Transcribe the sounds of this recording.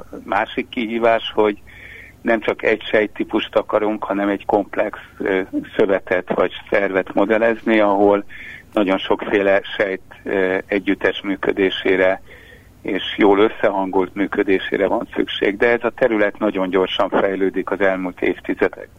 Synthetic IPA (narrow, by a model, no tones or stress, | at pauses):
maːʃikːiɦiːvaːʃho̞ɟ | nɛmt͡ʃɒkɛɟʃɛjt̪ːipuʃt̪ɒkɒɾuŋkhɒnɛmɛɟko̞mplɛkssøvɛt̪ɛt̪ʋɒ̰ɟsɛrvɛt̪mo̞d̪ɛlɛzniɒɦolnɒɟo̞nʃo̞kfeːlɛʃɛjt̪ɛɟːyt̪ɛʃmyːkød̪eːʃeːɾɛ | eːʃjoːlø̞sːɛɦɒŋɡult̪myːkød̪eːʃḛːɾɛvɒnsy̰kʃḛːɡd̪ɛɛzɒt̪ɛɾylɛt̪nɒɟo̞ɲɟo̞rʃɒɱfɛjløːd̪ikɒzɛlmult̪eːft̪izɛd̪ɛ̰ɡ̚